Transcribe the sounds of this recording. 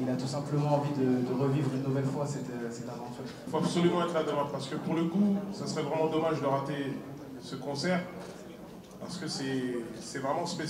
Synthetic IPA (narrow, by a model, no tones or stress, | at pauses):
ilat̪usɛ̃pləmɑ̃ːvid̪əd̪əʁəvivʁynːuvɛlfwasɛt̪sɛt̪ãvɑ̃t̪ỹʁifoabsɔlymɑ̃ɛt̪χlad̪ɔʁapaʁsə̥kəpuʁləkusasəʁɛvʁɛmɑ̃d̪ɔmaʒd̪əʁat̪e | səkɔ̃sɛʁ | paʁsə̥kəsɛsɛvʁɛmɑ̃spes